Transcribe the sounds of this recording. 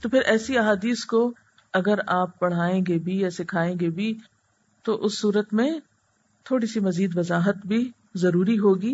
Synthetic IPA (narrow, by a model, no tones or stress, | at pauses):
t̪oːpʰɪɾʔɛːsiɐɦaːd̪iːsko | ɐɡəɾaːp̚bɐɽ̤aːẽːɡebʱiɛːsekʰaːẽːŋɡebʱi | t̪oʔʊsːuːɾət̪mẽ | t̪ʰoːɽisimɐziːd̪ʋɐzaːɦət̪bʱi | zɐɾuːɾiɦoːɡiː